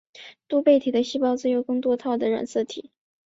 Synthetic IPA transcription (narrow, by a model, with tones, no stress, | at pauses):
t̪u˥pe˥˩ɪt̪ʰi˨˩d̪ə˦ɕi˥pɑ˥ʊt͡sɹ̩˥˧jo˥˩ʊkɤ˥˧ŋt̪wɔ˥t̪ʰɑ˥˩ʊd̪ə˩ɻa̰˨˩nsɤ˥˩t̪ʰḭ˨˩˦